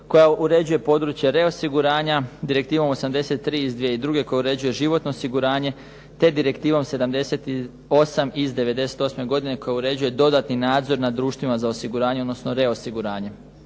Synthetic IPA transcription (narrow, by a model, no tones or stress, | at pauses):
ko̞jauɾe̞d͡ʑuje̞po̞d̪ɾut͡ɕjeɾe̞o̞siɡuɾaːɲad̪iɾe̞k̚t̪iːʋo̞mo̞samd̪e̞se̞t̪̚ːɾiːizd̪ʋieid̪ɾuːɡe̞ko̞jauɾe̞d͡ʑuje̞ʒiʋo̞t̪no̞osiɡuɾaːɲe̞ | t̪e̞d̪iɾe̞kt̪iːʋomse̞d̪amd̪e̞se̞t̪i | o̞samizd̪e̞ʋe̞d̪e̞se̥t̪o̞sme̞ɡo̞d̪ine̞ko̞jauɾe̞d͡ʑuje̞d̪o̞d̪at̪ninaːd̪zo̞ɾnad̪ɾuːʃt̪ʋimazaosiɡuɾaːɲeod̪no̞sno̞ɾe̞o̞siɡuɾaːɲe̞